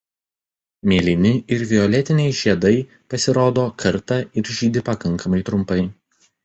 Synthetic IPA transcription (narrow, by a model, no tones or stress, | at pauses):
mʲeːlʲɪnʲɪɪɾʋʲɪɔlʲɛt̪ʲɪnʲɛɪʒʲiɛd̪ɐɪ | pɐsʲɪɾoːd̪oːkʰɐɾt̪ɐɪɾʒʲiːd̪ʲɪpɐkɐŋˑkɐmɐɪt̪ɾʊmpɐɪ